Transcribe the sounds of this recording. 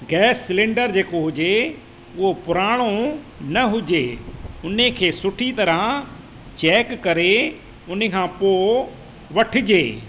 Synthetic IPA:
ɡɛːsːɪlẽɳɖəɾd͡ʑeːkoɦʊd͡ʑe | ʊɦopʊɾaːɽ̃o | nɐɦʊd͡ʑeːʊnekʰeːsʊʈʰit̪ɐɾə | t͡ɕɛːkːɐɾe | ʊnekʰãːpoː | ʋɐʈʰɪ̆d͡ʑeː

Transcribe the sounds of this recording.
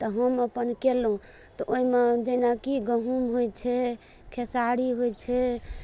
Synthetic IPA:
t̪ɔɦəməpənkelũ | t̪ɔʔoimed͡ʒenakiɡəɦumɦojt͡ʃʰɛ | kʰesaɽiɦojt͡ʃʰɛ

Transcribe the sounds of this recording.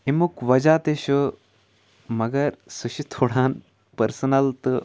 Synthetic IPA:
imukʋɐd͡ʒaːt̪eʃu | mɐɡɐɾsuʃit̪ʰoːɽaːn | pɐɾsɐnɐlt̪ɨ

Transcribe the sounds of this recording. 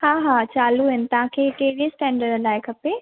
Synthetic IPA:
hãːɦãːt͡ʃaːluɦɪnt̪ãːkʰekeːɽesʈɛ̃ːɳɖəɾəlaːekɐpeː

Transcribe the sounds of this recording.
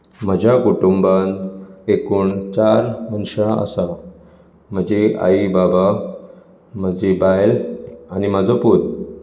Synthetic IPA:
m̤əd͡ʑʱakuʈumbanekuːɳt͡ɕaɾmənɕaə̰sa | m̤əd͡ʑea̰ibaba | m̤əd͡ʑebajlaniməd͡zɔput̪̚

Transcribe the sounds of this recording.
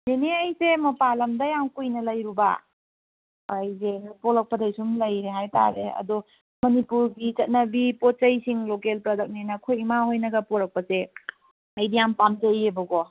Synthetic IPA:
neneɐjsemɐpalɐmdɐjaŋkujnɐlɐjɾuba̰ | ajzepɔɾɐk̚pɐdajsumlɐjɾeɦajta̰ɾeɐ̰dɔ | mɐnipuɾɡit͡ʃɐt̚nɐbipot̚t͡ʃɐjsiŋlokelpɾadɐk̚nenɐkʰojmaɦojnɐɡɐpɔɾɐk̚pɐse | ɐjdijampamd͡ʒɐjebɐɡɔ

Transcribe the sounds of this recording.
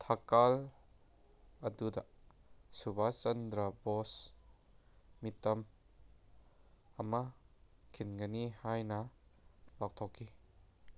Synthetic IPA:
t̪ʰɐkal | ɐdudɐ | subʱat͡ʃɐnd̪ɾɐbɔs | mitːɐm | ɐmɐkʰinɡɐnihajnɐ | bak̚t̪ʰɔkːi

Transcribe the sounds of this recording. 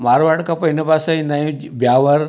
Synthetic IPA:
maɾʋaɽkapəinəpasainaĩ | bjaʋəɾ

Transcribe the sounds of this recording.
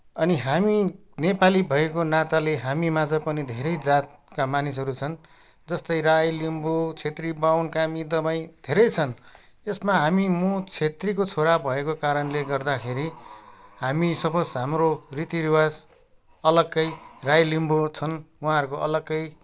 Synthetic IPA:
ʌniɦami | nepalibʱʌekonat̪aleɦamimad͡zʌpʌnid̪ʱeɾʌjd͡zat̪̚kamanisɦʌɾut͡sʰʌn | d͡zʌst̪ʌjrajlimbot͡sʰet̪ribawnkamid̪ʌbaĩd̪ʱeɾʌjt͡sʰʌn | esmaɦamimot͡sʰet̪rikot͡sʰoɾabbʱʌekokaɾʌnleɡʌrd̪akʰeɾihamisʌbʌsɦamrorit̪iɾiwad͡z | ʌlʌɡːʌjrajlimbot͡sʰʌnwuɦãɦʌɾukoʔʌlʌɡːʌj

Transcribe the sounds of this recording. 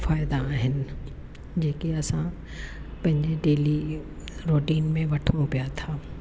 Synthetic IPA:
faːjd̪aɦɪn | d͡ʒeːkiɐsã | pɐ̃ɲd͡ʒeɖeːli | ɾoːʈiːnmẽʋɐʈʰõpijat̪ʰaː

